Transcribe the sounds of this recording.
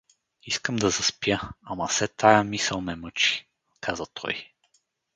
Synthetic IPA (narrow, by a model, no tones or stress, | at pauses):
iskəmd̪ɐzɐspjəamɐsɛt̪ʰajəmisəlˠmɛmɤt͡ʃi̥ | kʰazət̪ʰɔ̰j